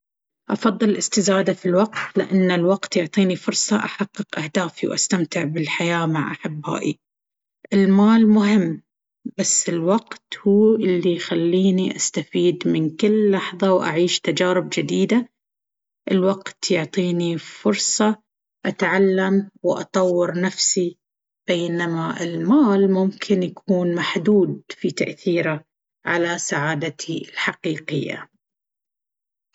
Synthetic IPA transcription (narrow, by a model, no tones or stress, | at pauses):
ʔɑfɑðˤːɨllʔɪst̪ɪzaːd̪afilwaqt̪lɪʔanːalwaqt̪jʊʕt̪ˤiːnifʊɾˤsˤɑʔaħɑqːɨqʔahd̪aːfiwʔa̰st̪amt̪ɪʕbɪlħajaːmaʕʔa̰ħɪbːa̰ːʔḭ | ʔɪlmaːlmʊɦɪmː | b̥asːɪlwaqt̪huːʔɪlːijxalːiːniʔast̪afiːd̪mɪnkɪlːɑħðˤɑwʔa̰ʕiːʃt̪ad͡ʒaːɾɪb̚d͡ʒɪd̪iːd̪a | ʔɪlwaɡt̪jʊʕt̪ˤiːnifʊɾsˤɑ | ʔat̪ʕalːamwʔɑ̰t̪ˤɑwːɑɾnafsi | b̥eːnamaɪlmaːlmʊmkʰɪnjakʰuːnmaħd̪uːd̪̚fit̪a̰ʔθiːɾa | ʕalasaʕaːd̪at̪ʰiɪlħaqiːqɪjːa̰